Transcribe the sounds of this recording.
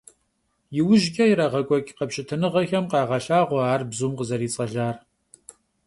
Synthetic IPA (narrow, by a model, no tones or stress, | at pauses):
jɪwʊʒɡʲʼɐjɪɾɐʁɐkʷʼɔkʲʼqɐpʃɪtʰɨnɨʁɐxɐmqɑːʁɐɬaːʁʷɔaːrbzuːmqəzɐɾiːt͡sʼɐɮaːr